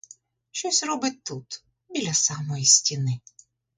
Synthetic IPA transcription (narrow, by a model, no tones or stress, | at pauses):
ʃt͡ʃɔsʲrɔbɪt̚ʲt̪ːut̪ | bʲilʲɐsɑmɔjisʲtʲinɪ